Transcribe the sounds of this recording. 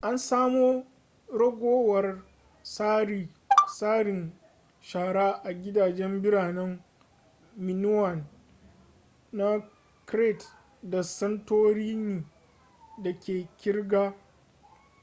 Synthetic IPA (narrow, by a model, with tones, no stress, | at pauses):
ʔa˦nsaː˦moː˦ | ɽɐ˦ɡʷoː˦wɐ˨r | saː˦ɾi˨ | saː˦ɽɪ˨n | ʃaː˨ɽa˦ʔa˨ɡʲɪ˦daː˨d͡ʒɛ˦mbɪ˦ɽaː˨nɛ˦ŋ | mɪ˨nʊ˦wɐ˨n | a˦ | kɾe˦˨t | da˨sɐ˦ntoː˦ɽiː˦neː˨ | da˨kʲeː˨kʲɪ˦rɡaː˦